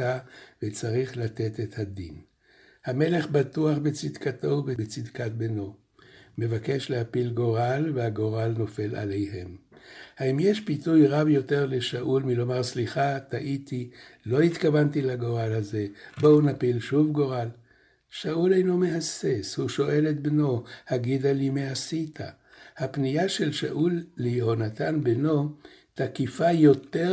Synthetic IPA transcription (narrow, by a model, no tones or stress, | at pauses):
avet͡saʁiχlat̪e̞t̪e̞thad̪in | hame̞le̞χbatuaχbet͡sid̪kato̞bebet͡sid̪kat̚beno̞ | me̞vake̞ʃlehapilɡo̞ʁalvehaɡo̞ʁalno̞fe̞la̰lejɦe̞mhaimjeʃpitujʁavjo̞te̞ʁle̞ʃaʔulmilo̞maʁsliχat̪aʔitilo̞it̪kavantilaɡo̞ʁalhaze̞bo̞wnapilʃuvɡo̞ʁal | ʃaʔulejnomeɦase̞shuʃo̞ʔe̞let̪̚bno̞haɡid̪alimeasitʰa̰ | hapnijaʃe̞lʃa̰ʔulːiho̞nat̪anbeno̞takifajo̞te